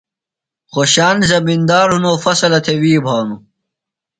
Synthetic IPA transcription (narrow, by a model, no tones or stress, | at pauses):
xoɕaːnzɐbind̪aːɾɦunoːfɐsɐlɐt̪ʰewiːbʱaːnu